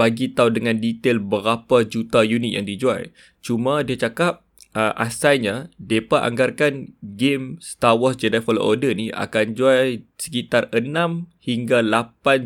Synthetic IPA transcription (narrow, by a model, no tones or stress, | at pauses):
baɡit̪audəŋãndit̪elbəɾapad͡ʒut̪ajunit̪̚ja̰ŋdid͡ʒua̰j | t͡ʃumãdiat͡ʃakap̚ | əʔa̰sajɲadepaʔa̰ŋɡarkanɡemst̪awɔsd͡ʒɛdafɔla̰ʔodəniʔa̰kand͡ʒuajsə̥kit̪arənãmhiŋɡalapan